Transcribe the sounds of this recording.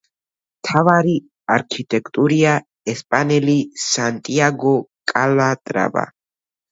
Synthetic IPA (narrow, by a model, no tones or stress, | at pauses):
mt̪ʰavaɾi | aɾkʰit̪ʼɛkʰʼt̪ʼuɾia | ɛspʼanɛlisant̪ʼiaɡɔkʼalat̪ʼɾa̰ba̰